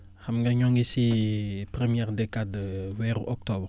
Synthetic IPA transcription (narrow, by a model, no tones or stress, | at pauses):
χɐmɡɐɲɔŋɡisipɾəmjɛʁdɛkadəwɛʁʔɔk̚tɔbr